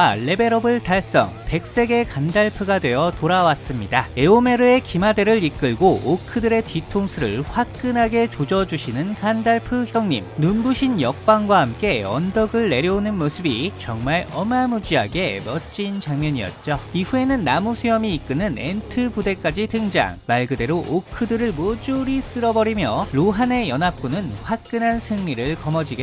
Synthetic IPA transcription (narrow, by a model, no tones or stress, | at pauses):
aɭːe̞be̞ɾʌbɯɭtaɭs͈ʌ̰ŋpe̞k̚s͈e̞ɡe̞kandaɭpʰɯɡadwe̞jʌtoɾawas͈ɯmɲidae̞ome̞ɾɯe̞kimade̞ɾɯɭik͈ɯɭɡoːkʰɯdɯɾe̞titʰoŋsʰɯɾɯ̰ɭɸwak̚k͈ɯnɦaɡe̞t͡ɕod͡ʑʌd͡ʑuɕʰinɯnkandaɭpʰɯçjʌŋɲimnunbuɕʰinjʌk̚k͈waŋɡwahamk͈e̞ʌndʌɡɯɭːe̞ɾjʌonɯnmosʰɯbit͡ɕʌŋmaɭʌmamud͡ʑiaɡe̞mʌt͡ɕ͈int͡ɕaŋmjʌɲijʌ̰t̚t͡ɕ͈ʌiɸue̞nɯnːamusʰejʌmiːk͈ɯnɯne̞ntʰɯpude̞k͈ad͡ʑitɯŋd͡ʑa̰ŋmaɭɡɯde̞ɾoʔokʰɯdɯɾɯɭmod͡ʑuɾis͈ɯɾʌbʌɾimjʌɾoɦane̞jʌnɦap̚k͈unɯnɸwak̚k͈ɯnɦansʰɯŋɲiɾɯɭkʌmʌd͡ʑiɡe